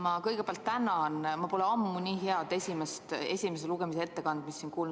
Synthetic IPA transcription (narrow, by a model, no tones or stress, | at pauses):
mɑkɤjɡ̥e̞peɑlt̪ːænɑnmɑpo̞leɑmːunʲiːɦeɑd̪̥e̞sʲimest̪e̞sʲime̞s̬eluɡ̥e̞miseet̪ːe̞kɑnd̪̥misːinkuːln